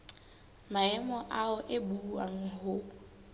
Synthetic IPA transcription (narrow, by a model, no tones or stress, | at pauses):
maɛmɔʔaʊʔɪbua̰ŋ̩hʊ